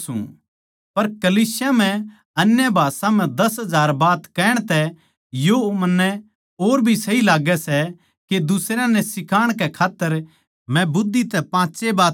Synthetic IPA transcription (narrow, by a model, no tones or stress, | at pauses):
sṵ̃ | pɐɾkɐliːsjam̤ɛ̃ | ɐnjəbʱaːsãm̤ɛ̃d̪ɐsɦɐzaːɾbaːt̪kɛːɽ̃t̪ɛ | jomɐnːɛ | oːɾbʱisɐɦilaːɡɛsɛ | ked̪ʊsɾjãnɛsɪkaːɽ̃kɛkʰaːt̪ːəɾ | mɛ̃bʊd̪ːit̪ɛpãːt͡ʃebaː